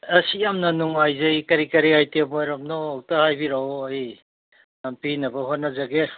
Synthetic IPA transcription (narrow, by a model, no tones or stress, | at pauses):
ɐsijamnɐnuŋajzɐjkɐɾikɐɾiajtemojɾamnoːwtahajbiɾaɐj | nampinɐbɐɦonɐzaɡe